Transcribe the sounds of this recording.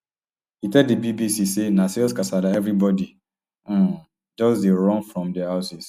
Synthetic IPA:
hitɛddibibisisenasiskasalaɛvɹibɔdi | d͡ʒɔsdeɹɔ̃nfɹɔ̃mdɛhaʊsis

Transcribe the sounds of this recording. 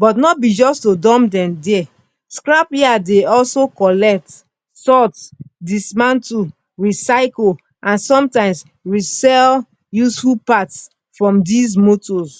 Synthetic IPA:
bɔtnɔbid͡ʒɔstodɔ̃mdɛ̃mdɛ | skɹapiadeɔlsokɔlɛk̚t | sɔtdismãntu | ɹisaɪko | ʔãnsɔ̃mtãɪ̃ms | ɹisɛl | jusfupats | fɹɔ̃mdis̬motɔs

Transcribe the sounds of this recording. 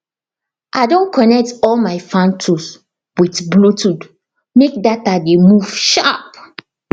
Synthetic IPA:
ʔaɪdõnkʰɔnɛk̚tɔlmaɪfãntʰus | witblutud | mek̚datademuv̥ʃap̚

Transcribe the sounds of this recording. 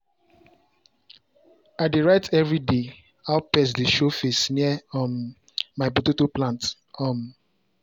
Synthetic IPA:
adeɹaɪtʰɛvɹide | aʊpɛsdeʃofesniɛmː | aɪpototoplãnt | ɔm

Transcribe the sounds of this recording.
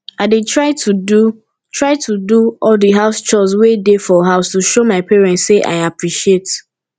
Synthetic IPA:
aɪdetɹaɪtʰudu | tʰɹaɪtʰuduɔldiɦaʊst͡ʃɔswedefɔɦaʊstuʃomaɪpɛɹɛ̃ntseʔa̰ɪapɹiʃiet

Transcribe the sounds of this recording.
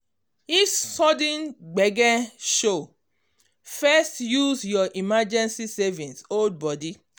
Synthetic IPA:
issɔdĩnɡ͡bɛɡɛ̃nʃo | fɛstjusjɔʔimad͡ʒɛ̃nsisɛvĩnsold̚bɔdi

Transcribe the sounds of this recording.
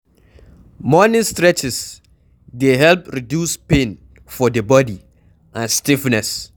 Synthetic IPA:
mɔnɪ̃stɹɛt͡ʃɪs | deɦɛlpɹidjuspẽn | fɔdəbɔdi | ʔãnstifnɛs

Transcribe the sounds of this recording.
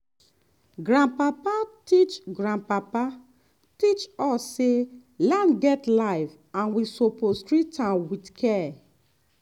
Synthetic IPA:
ɡɹãnpapatit͡ʃɡɹãnpapa | tit͡ʃɔsːelãndɡɛtlaɪv | ãnwisopostɹitãwidkʰɛ

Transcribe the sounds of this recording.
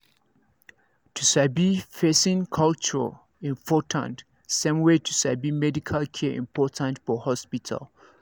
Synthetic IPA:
tʰusabifesĩnkʰalt͡ʃuɹa̰ | ĩnpʰɔtʰã̰nt | sẽmwetʰusabimɛdikʰalkʰɛʔḭ̃mpʰɔtʰãntfɔhɔspitʰa̰l

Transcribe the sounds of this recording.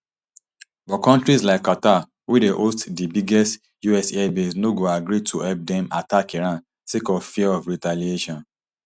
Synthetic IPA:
bɔkɔ̃ntɹislaɪkːata | wideʔostdibiɡɛst | juɛsɛbesnoɡoaɡɹitʰuhɛlp̚dɛ̃matakiɹãn | sekɔvfiɛɔvɹitalieʃɔ̃n

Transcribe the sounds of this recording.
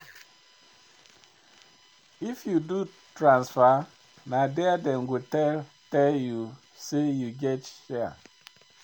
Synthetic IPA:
ifjudu | tɾãnsfa | nadɛadɛ̃nɡutɛl | tɛlju | sejuɡɛtʃɛa̰

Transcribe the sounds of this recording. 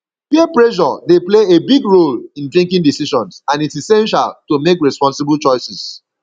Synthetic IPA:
piɛpɹɛʃ̬ɔdepleebiɡɹolĩndɹĩŋkĩŋdisiʃɔ̃nsãnitsisɛ̃nʃa̰ltomekɹɛspɔ̃nsɪbəlt͡ʃɔɪsis

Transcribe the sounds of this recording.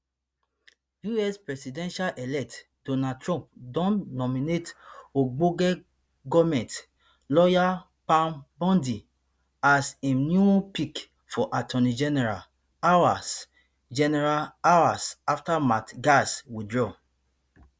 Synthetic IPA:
juɛspɹɛsidɛ̃nʃalʔɛlɛk̚t | d̥onatɹɔ̃mpdɔ̃nːɔminetoɡ͡boɡɛ | ɡɔmɛ̃nt | lɔja | pãnbɔ̃ndi | asĩnupik | fɔʔatʰɔnid͡ʒɛnɛɹa̰ | awas | d͡ʒɛnɛɹalawasaftamatɡaswidɹɔ

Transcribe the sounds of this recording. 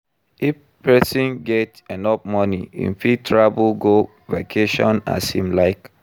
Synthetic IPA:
ʔif | pɛsɔ̃nɡɛtɛ̃nɔp̚mɔniḭ̃nfitʰɹabəlɡo | vekʰeʃɔ̰̃na̰sĩmlaɪk

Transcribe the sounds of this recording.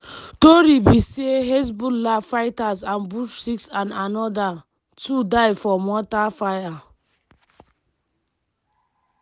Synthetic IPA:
toɾibiseɦes̬bullafajtazãnbuʃsiksãnanɔda | tʰudajfɔmɔtafaja

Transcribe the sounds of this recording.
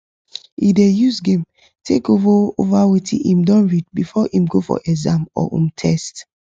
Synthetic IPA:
idejusɡẽm | tʰekovaovawetʰḭʔĩmdɔ̃nɹid̚bifɔʔĩmɡofɔ̰ʔɛzãmɔ̰ḭ̃mtʰɛst

